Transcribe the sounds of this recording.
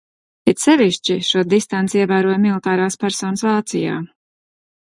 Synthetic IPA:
pɛt̪sɛviʃt͡ʃiʃuɔd̪ist̪ant̪siɛvæːɾuɔjmilˠit̪aːɾaːspæɾsɔːnəsvaːt̪sija̰ː

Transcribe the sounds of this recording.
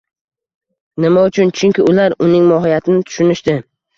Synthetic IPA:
nɪmaʊt͡ʃʰʊnt͡ʃʰʊŋkʲɪʊlaɾʊnɪŋmɒɦijat̪ʰɪnɪt̪ʰʊ̥ʃʊnɪʃt̪ɪ

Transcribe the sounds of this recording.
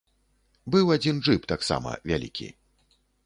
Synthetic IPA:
bɨwad͡zʲinʐɨpt̪aksa̰mɐ̰vʲalʲikʲḭ

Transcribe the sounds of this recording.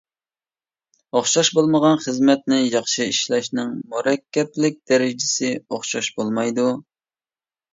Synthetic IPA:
oχʃɑʃbolˠməʁɑnχəzmɛt̪̚nɪjɑχʃɨiʃlɛʃnɪŋmuɾɛkʲːɛplɪk̚ʲd̪ɛɾɪd͡ʒɪsɪoχʃɑʃbolˠmɑjd̪u

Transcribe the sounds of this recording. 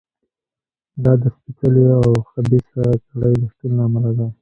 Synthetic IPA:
d̪ɑd̪əspikaleawxabisaɾakaɽajləʂt̪ulnaːmalad̪a

